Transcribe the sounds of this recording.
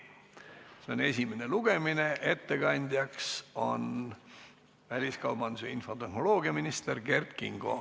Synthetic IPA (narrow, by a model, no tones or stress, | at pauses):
se̞o̞ne̞sʲimene̞luɡ̥e̞mine̞ʔe̞t̪ːe̞kɑnʲd̪̥ʲjɑkso̞n | vælʲiskɑwb̥ɑnd̪useinfo̞t̪e̞hno̞lo̞ːɡ̥iɑminist̪erɡ̥e̞rt̪kḭŋɡ̥o̞̰